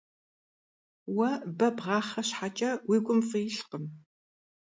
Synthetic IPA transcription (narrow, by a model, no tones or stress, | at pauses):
wɐbɐbʁɑːχɐɕħat͡ʃʼɐwiːɡʷʼʊmfijɪɬqəm